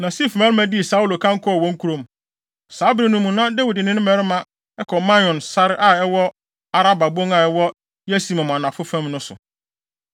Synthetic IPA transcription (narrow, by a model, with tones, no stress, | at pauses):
nã˨si˦˨fmã˦ɾɪ˦mæ̃˦di˦e˨sa˦u˦lo˨kʰã˦ŋ̩˦kʰɔ˦ɔ˨wɔ̃˦ŋ̩˦kʰu˦ɾõ˦˨m˨ | sa˨˦bɪ˨nũ˨mũ˨nã˦de˦wi˨dɪ˨nɪ̃˦nɪ̃˦mɛ˦ɾɪ˦mã˨ | ɛ˦kʰɔ˨mã˦ɔ̃˨nsa˦ɾɪ˦ʔa˦˨ɛ˦wɔ˦ | a˨ɾa˦ba˨bõ˦ŋa˨ɛ˦wɔ˦ | jɛ˦si˨mã˨mã˨nã˨fʊ˦fæ̃˦mnʊ̃˦sʊ̰˨